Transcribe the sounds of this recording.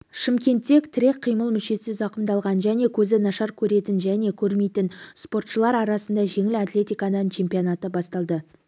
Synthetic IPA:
ʃɪmkʲe̞nt̪ːe̞kt̪ʰɪɾe̞kqʰːijməlˠmʏʃe̞sɪzɑqəmd̪ɑlˠʁɑnʒæne̞kʲʰɵzɪnɑʃɑɾkʲʰɵɾe̞t̪ɪnʒæne̞kʲʰɵɾme̞jt̪ɪnspo̞rt̪ʃəlˠɑɾɑɾɑsənd̪ɑʒe̞ŋɪlat̪lʲe̞t̪ijkanənt͡ʃʰe̞mpionɑt̪əbɑst̪ɑlˠd̪ə

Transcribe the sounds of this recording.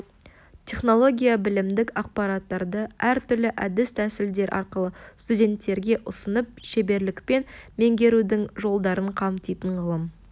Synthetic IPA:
t̪ʲʰe̞χno̞lˠo̞ɡʲijabɪlɪmd̪ɪkɑq̚pɑɾɑt̪ːɑɾd̪əæɾt̪ʰʏɾlɪʔæd̪ɪst̪ʰæsɪld̪e̞ɾʔɑ̰ɾqəlˠəst̪udʲe̞nt̪ːe̞ɾɡʲe̞ʔʊsənəp̚ʃe̞be̞ɾlɪkpe̞nme̞ŋɡʲe̞ɾud̪ɪŋʒo̞lˠd̪ɑɾəɴqʰɑmt̪ijt̪əɴʁəlˠəm

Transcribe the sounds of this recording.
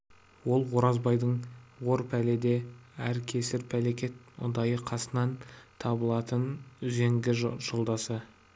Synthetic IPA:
wo̞lˠwo̞ɾɑzbɑjd̪əɴwo̞ɾpʰæled̪e̞æɾkʲʰe̞sɪɾpʰæle̞kʲe̞t̪̚mʊ̰d̪ɑjəqʰɑsənɑnt̪ʰɑbəlˠɑt̪ənʏze̞ŋɡʲɪʒəlˠd̪ɑsə

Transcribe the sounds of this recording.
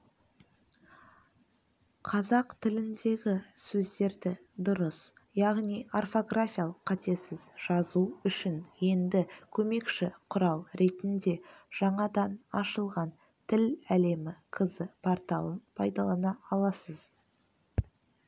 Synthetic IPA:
qʰɑzɑqt̪ʰɪlɪnd̪e̞ɡʲɪsɵzd̪e̞ɾd̪ɪ | d̪ʊɾəs | jɑʁnijʔarfo̞ɡrafʲijalˠəqʰːɑt̪e̞sɪzʒ̥ɑzuʏʃɪnje̞nd̪ɪkʲʰɵme̞kʃɪqʰʊɾɑlˠɾe̞t̪ɪnd̪e̞ʒ̥ɑɴɑd̪ɑnɑʃəlˠʁɑn | t̪ʰɪlæle̞mɪqʰəzəpʰɑɾt̪ɑlˠənpʰɑjd̪ɑlˠɑnɑɑlˠɑsəz̥

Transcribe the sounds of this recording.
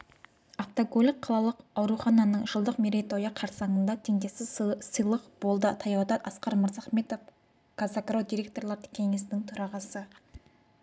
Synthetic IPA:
aft̪oɡolʲik̚qʰːɑlˠɑlˠəqɑwɾuχɑnɑnəɴʒ̥əlˠd̪əqmeɾejt̪o̞jɑqʰɑɾsɑɴənd̪ɑt̪ʰeŋd̪esɪzsəjlˠəqb̥o̞lˠd̪ət̪ʰɑjɑwd̪ɑt̪ɑsqɑɾməɾzɑχme̞t̪o̞f | kʰazakɾod̪iɾʲe̞k̚t̪o̞ɾlˠɑɾd̪ə̥kʲʰe̞ŋe̞st̪ɪŋt̪ʰʊɾɑʁɑsə

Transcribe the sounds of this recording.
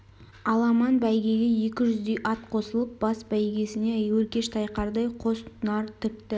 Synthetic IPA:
ɑlˠɑmɑnbæjɡʲe̞ɡʲeje̞kʲɪʒʏzd̪e̞jʔɑt̪̚qʰo̞səlˠəp̚bɑsbæjɡʲe̞sɪne̞æjwɵɾkʲe̞ʃt̪ʰɑjqɑɾd̪ɑjqʰo̞sənɑɾt̪ʰɪp̚t̪ɪ

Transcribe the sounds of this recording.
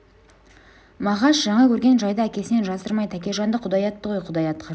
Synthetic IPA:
mɑʁɑʃʒɑɴɑkʲʰɵɾɡʲe̞nʒɑjd̪əækʲe̞sɪne̞nʒɑsəɾmɑjt̪ʰækʲe̞ʒɑnd̪əqʰʊd̪ɑjɑt̪ːəʁojqʰʊd̪ɑjɑt̪ːqʰɑ

